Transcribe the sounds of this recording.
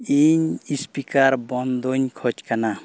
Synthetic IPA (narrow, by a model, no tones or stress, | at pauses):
iɲispikaɾbɔnd̪oɲkʰɔt͡ʃkana